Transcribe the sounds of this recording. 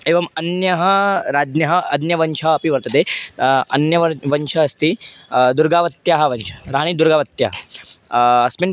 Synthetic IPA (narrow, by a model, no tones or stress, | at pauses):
eːʋɐmɐnjɐɦɐɾaːd̪njɐɦɐɐd̪njɐʋɐnʃʰɐɦɐpiʋɐɾt̪ɐt̪eɐnjɐʋɐnt͡ʃʰɐːst̪id̪uɾɡaːʋɐt̪jaɦɐʋɐnt͡ʃʰɐ̥ɾaːɽ̃id̪uɾɡaːʋɐt̪jɐ̰ɦɐ | ɐsmin